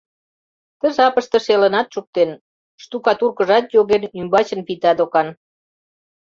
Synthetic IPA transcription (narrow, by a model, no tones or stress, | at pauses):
t̪əʒɑpəʃt̪ə̆ʃelənɑt̪ʃuk̚t̪en | ʃt̪ukɑt̪urkəʒɑt̪joɣenymbɑt͡ɕənpit̪ɑd̪okɑn